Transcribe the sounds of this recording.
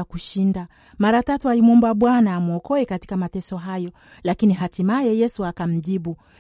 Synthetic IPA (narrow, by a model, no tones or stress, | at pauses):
akuʃinda | maɾatatualimwɔmbaɓwanaːmuɔkɔɛkati̥kamatɛsɔɦajɔ | lakiniɦatimajɛjɛsuakam̩ʄiɓu